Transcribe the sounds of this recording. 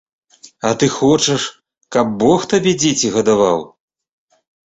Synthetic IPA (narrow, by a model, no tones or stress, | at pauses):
ɐt̪ɨxɔt͡ʂɐʂ | kɐb̚ːɔxt̪abʲɛd͡zʲet͡sʲiɣɐd̪ava̰w